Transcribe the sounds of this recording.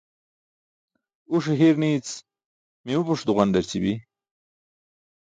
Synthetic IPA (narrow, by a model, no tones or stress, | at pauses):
uʂeɦiɾnit͡s | miupuʂd̪uʁand̪ɐɾt͡sibi